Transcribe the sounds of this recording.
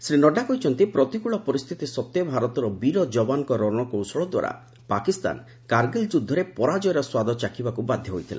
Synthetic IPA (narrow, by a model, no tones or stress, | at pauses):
sɾinɔɖakɔjt͡ʃʰɔnt̪ipɾɔt̪ikuɭɔpɔɾist̪ʰit̪isɔt̪ːjɔbʱaɾɔt̪ɔɾɔbiɾɔd͡ʒɔbanɔkɔɾɔɾɽ̃ɔkowsɔɭɔd̪wa̰ɾa̰ | pakist̪a̰n | kaɾɡeld͡ʒud̪ʱːɔɾepɔɾad͡ʒɔjɾɔswad̪ʱɔt͡ʃakʰibakubad̪ʱjɔɦojt̪ʰila̰